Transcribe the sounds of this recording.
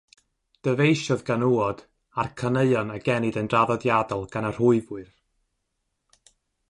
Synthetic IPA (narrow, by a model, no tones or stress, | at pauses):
d̥əvejʃɔðɡanuɔd̥ | arkʰənəɨɔnaɡɛnɨdənraðɔdjadɔlˠɡ̥anar̥ʊɨvʊɨr